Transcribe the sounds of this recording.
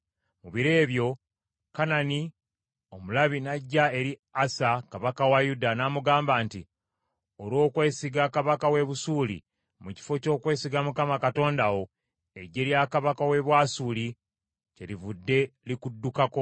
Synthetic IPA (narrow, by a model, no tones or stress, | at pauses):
muβiɾe̞ːβjo̞ | kanani | o̞mulaβinaɟːae̞ɾiasakaβakawajudanaːmuɡaːmbaːnti | olo̞ːkwe̞ːsiɡakaβakawe̞βusuːlḭ | muci̥fo̞co̞ːkwe̞ːsiɡamukamakato̞ːndawo̞ | e̞ɟeɾjakaβakawe̞βwaːsuli | celivudːe̞likudːukako̞